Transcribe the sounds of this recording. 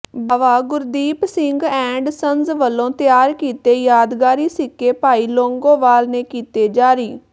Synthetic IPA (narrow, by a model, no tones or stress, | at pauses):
baːʋaːɡʊɾd̪iːpsɪŋɡɛ̃ːɳɖsənzʋəlːõːt̪ɪjaːɾkiːt̪eːjaːd̪ɡaːɾiːsɪkːeːpaːiːloːŋɡõːʋaːlneːkiːt̪eːd͡ʒaːɾiː